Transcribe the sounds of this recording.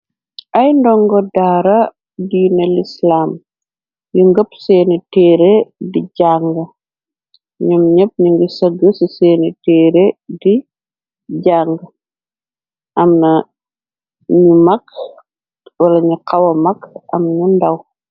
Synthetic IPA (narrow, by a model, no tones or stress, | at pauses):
ʔɐjndɔŋɡɔdaːɾɐ | diːnɐlislaːm | juŋɡəpsɛːnitɛːɾediɟaːŋɡɐ | ɲumɲəp̚ɲuŋɡisɐɡəsisɛːnitɛːɾedi | ɟaːŋɡɐ | ʔɐmnɐ | ɲumɐk̚ | wɐlɐɲuqɐwɐmɐkʔɐ̰mɲundɐw